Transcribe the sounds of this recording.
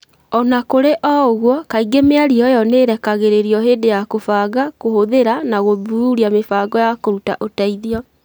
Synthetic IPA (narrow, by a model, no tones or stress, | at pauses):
ɔnakoɾeʔɔoɣwɔkaiɡemeaɾiɔjɔneɾɛkaɣeɾeɾiɔɦeːdejakofaːɣakohoðeɾanaɣoðuuɾiamefaːɡɔjakoɾuta̰ʔotaiðiɔ